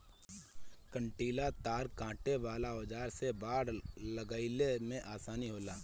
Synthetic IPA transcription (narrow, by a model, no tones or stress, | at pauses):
kə̃ɳʈiːlat̪aːɾkãːʈeʋaːlaod͡ʒaːɾsebaːɽləɡaːɪlemẽʔaːsaːniɦoːlaː